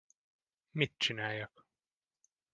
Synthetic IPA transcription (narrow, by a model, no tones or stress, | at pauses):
mit̪t͡ʃːinæjæk